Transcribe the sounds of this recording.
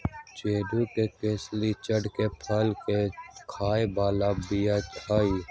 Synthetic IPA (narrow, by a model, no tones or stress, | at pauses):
t͡ʃeːɖukekeːslit͡ʃəɖkepʰəlkekʰaːebaːlabijat͡ʃʰaːiː